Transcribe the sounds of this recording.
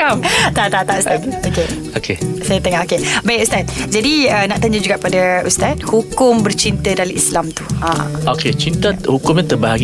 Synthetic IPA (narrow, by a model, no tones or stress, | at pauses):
amt̪at̪at̪aʔust̪at̪oke | okesajət̪əŋaʔokebaikust̪at̪̚d͡ʒadiənaʔt̪aɲəd͡ʒuɡaʔpadəust̪at̪̚hukʊmbərt͡ʃint̪ədaliʔislamt̪u̥ã̰oket͡ʃint̪ahukʊmɲãt̪əbaɦaɡ